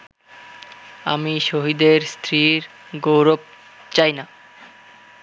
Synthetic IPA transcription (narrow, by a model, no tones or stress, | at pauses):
a̰miʃoɦid̪eɾst̪ʰɾiɾ | ɡowɾob̚ | t͡ɕajna